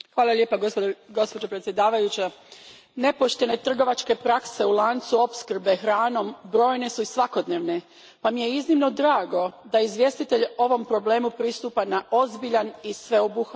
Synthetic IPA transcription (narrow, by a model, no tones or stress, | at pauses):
xʋaːlˠalʲjeːpaɡo̞spod͡ʑopɾet̪sʲje̞d̪aːʋajut͡ɕa | ne̞po̞ʃt̪e̞ne̞t̪r̩ɡo̞ʋat͡ʃke̞pɾakse̞ulˠaːnt̪suo̞pskr̩be̞xɾaːno̞mbɾo̞ːjne̞suisʋako̞d̪ne̞ːʋne̞ | pamijeiznimno̞d̪ɾaːɡo̞d̪aizʋje̞st̪it̪e̞ʎo̞ʋo̞mpɾo̞ble̞ːmupɾist̪uːpanaʔo̞zbiʎanisʋe̞obux